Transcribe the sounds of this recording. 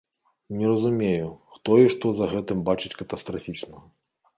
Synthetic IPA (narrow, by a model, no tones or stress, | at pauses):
nʲirɐzumʲejuxt̪ɔiʂt̪ɔzɐɣɛt̪ɨmbat͡ʂɨt͡sʲkɐt̪ɐst̪ɾafʲit͡ʂnɐ